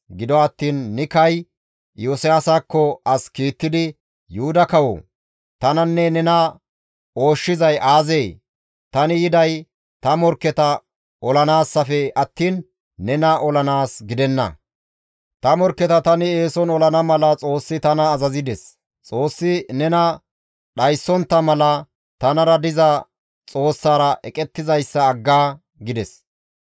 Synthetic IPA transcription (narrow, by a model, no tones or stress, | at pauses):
ɡɪd̪ɔɐt̪ːiːnːɪkɐj | joːsɪjaːsakːɔɐskiːt̪ːɪd̪ɪ | jʊhʊd̪ɐkɐwɔ̰ | t̪ɐnɐnːɛnɛnɐ | o̞ːʃːɪzɐjʔaːzeː | t̪ɐnɪjɪd̪ɐj | t̪ɐmɔɾkːɛt̪ɐ | ɔlɐnaːsːɐfɛɐt̪ːiːnː | ɛnɐʔɔlɐnaːsɡɪd̪ɛnːɐ̰ | t̪ɐmɔɾkːɛt̪ɐt̪ɐnɪe̞ːsɔnɔlɐnɐmɐlɐt͡sʼo̞ːsːɪt̪ɐnɐːzɐzɪd̪ɛs | t͡sʼo̞ːsːɪnɛnɐ | ɗɐjsːɔnt̪ːɐmɐlɐ | t̪ɐnɐɾɐd̪ɪzɐ | t͡sʼo̞ːsːaːɾɐʔɛkʼɛt̪ːɪzɐjsːɐːɡːaː | ɡɪd̪ɛs